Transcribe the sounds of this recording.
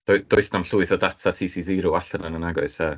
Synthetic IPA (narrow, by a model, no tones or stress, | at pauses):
d̥ɔɨd̥ɔɨsnamɬuɨθɔdatʰasisiziɾuaɬənanənaɡɔɨsɛ